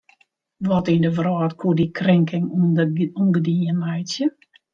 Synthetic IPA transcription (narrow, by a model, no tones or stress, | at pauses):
ʋɔtidəvrɔːtkʰuədikʰrɪŋkʰɪŋ | unɡdiənɛjtsjə